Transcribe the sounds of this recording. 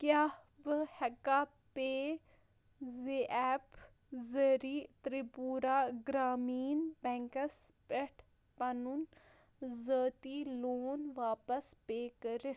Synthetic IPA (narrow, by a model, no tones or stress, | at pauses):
kjaː | bɨhɛka | peː | zeʔɛːp | zɐɾiːt̪ɾipuːɾaːɡɾaːmiːnbɛŋkɐspɛʈʰ | pɐnun | zəːt̪iːloːnʋaːpɐspeːkəɾɪ